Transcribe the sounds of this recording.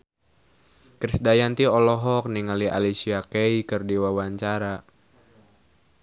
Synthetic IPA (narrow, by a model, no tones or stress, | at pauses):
kɾisdajant̪iɔlɔɦɔk̚niŋaliʔa̰lisiakeikɨrdiwawaɲt͡ʃaɾa